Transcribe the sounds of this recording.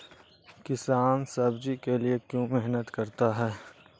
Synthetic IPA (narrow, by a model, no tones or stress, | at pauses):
kɪsaːnsɐbd͡ʒikeliekjõːmɛɦnət̪kɐɾt̪aɦɛː